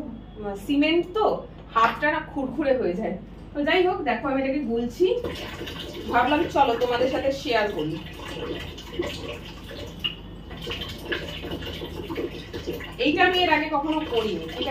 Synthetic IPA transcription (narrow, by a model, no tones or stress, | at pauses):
simeɳʈt̪o | hat̪ʈanakʰuɾkʰuɾeɦoed͡ʑae | t̪od͡ʑajɦokd̪ɛkʰoamiʈakibult͡ɕʰi | bʱaɾlamt͡ɕɔlot̪omad̪eɾʃat̪ʰeʃeaɾboli | ejʈaamieɾaɡekɔkʰonokoɾinejʈa